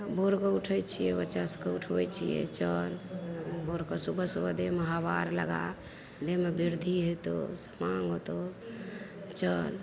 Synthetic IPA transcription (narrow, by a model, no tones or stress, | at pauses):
bʱoɾkɔuʈʰəjt͡ʃʰijɛbətːt͡ʃasə̥keuʈʰbɛt͡ʃʰijɛ̰t͡ʃəlbʱoɾkəsubəsubəd̪eməɦabaɾlə̰ɡa̰ | d̪emebiɾd̪ʱiɦet̪o̰sə̥maŋɡot̪o | t͡ʃəl